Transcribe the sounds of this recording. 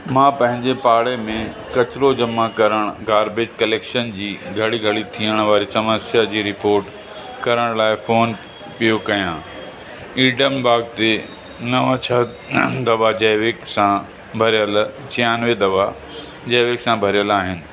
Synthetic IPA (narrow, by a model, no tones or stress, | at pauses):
mãːpɐ̃ɦɪ̃ɲd͡ʑepaːɽemẽ | kɐt͡ɕɪɾod͡ʑɐmakɐɾəɽ̃ʊɡaːɾbɪd͡ʑkɐleːkʃənd͡ʑiːɡʱɐɽiɡʱɐɽit̪ʰiəɽ̃ʋaːɾisɐməsjad͡ʑiːɾɪpoːɾʈ | kɐɾəɽ̃laːɪfoːn | pijokɐjãː | iːɖəmbaːɡt̪e | nɐʋãt͡ɕʰɐ | d̪ɐʋad͡ʑeːʋɪksã | bʱɐɾjəlt͡ɕʰijaːnʋed̪ɐʋa | d͡ʑeːʋeksãbʱɐɾijəlaːɦɪnɪ̆